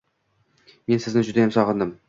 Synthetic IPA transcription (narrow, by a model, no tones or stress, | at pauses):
me̞nsɪznɪd͡ʒʊd̪ajemsɒʁɨnd̪ɪm